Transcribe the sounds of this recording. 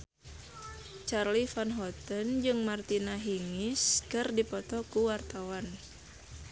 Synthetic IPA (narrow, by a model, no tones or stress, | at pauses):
t͡ʃarlifanɦɔt̪ənd͡ʒɨŋmart̪inaɦiŋɪskɨrdipɔt̪ɔkuwart̪awan